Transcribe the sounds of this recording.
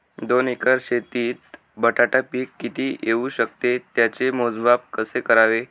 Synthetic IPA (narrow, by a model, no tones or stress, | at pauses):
d̪onikəɾɕet̪iːt̪ | bəʈʰaʈapiːkːit̪iːjeuɕək̚t̪et̪jat͡ɕemod͡zbapkəsekəɾaʋe